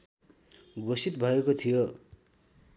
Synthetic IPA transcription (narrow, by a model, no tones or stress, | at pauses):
ɡosit̪̚bʱʌekot̪ʰijo